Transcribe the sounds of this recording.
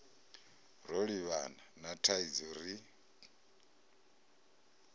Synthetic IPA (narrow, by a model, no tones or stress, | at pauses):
ɾɔɺiβananatʰaid͡zuɾi